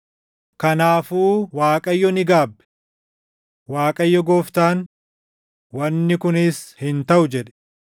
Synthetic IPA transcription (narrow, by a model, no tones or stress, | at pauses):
kɐnaːfuːwaːkʼɐjːɔnɪɡaːbːɛ̥ | waːkʼɐjːɔɡoːft̪aːn | wɐnːɪkʊnɪshɪnt̪ɐʔʊd͡ʒɛᶑɛ̥